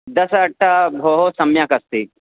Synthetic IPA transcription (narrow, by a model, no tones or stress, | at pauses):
d̪ɐsɐʈʰːabʱoːɦosɐmjaːkɐst̪i